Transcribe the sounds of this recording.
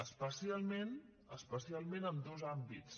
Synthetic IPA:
əspəsialˠmen | əspəsialˠmẽnənd̪ozambit͡s

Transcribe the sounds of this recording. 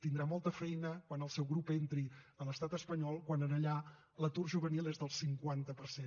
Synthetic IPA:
t̪ind̪ɾamɔlˠt̪əfɛjnəkwanəlˠsɛwɣɾupent̪ɾiələst̪at̪əspəɲɔlˠkwanənəʎa | lət̪urʒuβənilˠezðəlˠsiŋkwant̪əpəɾsen

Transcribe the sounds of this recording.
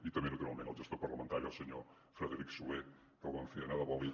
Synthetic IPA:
it̪əmenut̪uɾa̰lˠmẽnəlˠʒəst̪oɾpəɾləmənt̪aɾiəlˠsəɲo | fɾəðəɾiksue | k̪əlˠβaɱfinaðəβɔβi

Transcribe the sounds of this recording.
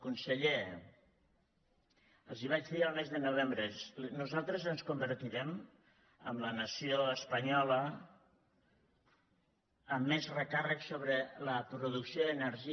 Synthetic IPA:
kunsəʎe | əlˠziβ̞at͡ʃðiəlˠmezðənuβ̞embɾənuzalˠt̪ɾəzənskumbəɾt̪iɾɛm | ə̰mlənəsioəspəɲɔlə | əmːezrəkarəksoβ̞ɾələpɾuðuksioənəɾʒi

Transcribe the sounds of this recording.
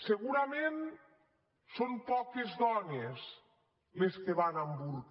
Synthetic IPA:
seɣuɾamen | sompɔkezðɔnes | leskeβanambuɾk

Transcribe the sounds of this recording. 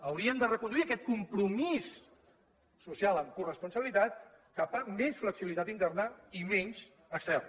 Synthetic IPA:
əwɾiəmd̪ərəkund̪uiəkɛt̪̚kumpɾumisː | usialˠəmkurəspunsəβilit̪at̪̚ | kapəmesfləksiβilit̪at̪int̪ɛrnəimɛɲz | əksɛ

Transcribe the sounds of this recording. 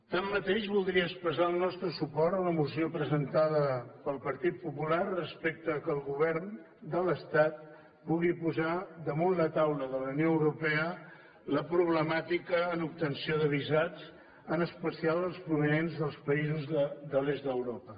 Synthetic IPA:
t̪amːət̪eʃβulˠd̪ɾiəspəzaəlˠnɔst̪ɾəsupɔɾt̪ələmusiopɾəzənt̪aðəpəlˠpəɾt̪it̪̚pupularəspek̚t̪əkəlˠɣuβ̞ɛɾn | d̪ələst̪at̪̚ | puɣipuzad̪əmonlət̪awləðələwnioəwɾupɛə | ləpɾuβləmat̪ikəːnup̚t̪ənsioðəβizad͡z | ənəspəsialˠəlˠspɾuβənenzðəlˠspəizuzəd̪əlezt̪d̪əwɾopə

